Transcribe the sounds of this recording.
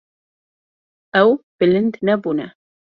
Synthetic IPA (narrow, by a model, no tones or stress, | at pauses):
ʔawb̥ɪlɪnd̪nabʊna